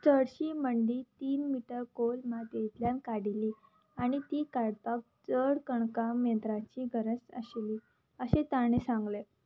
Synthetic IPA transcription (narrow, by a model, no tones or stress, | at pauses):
t͡səɽɕiːməɳɖiːt̪iːnmiʈəɾkolmad̪jet̪ljankaɽiliː | aɽ̃it̪iːkaɽt̪ak̚d͡zəɽkəɳkamjənt̪ɾat͡ɕiːɡʱəɾət͡sə̰ɕeliː | əɕẽt̪aɽ̃esãŋɡle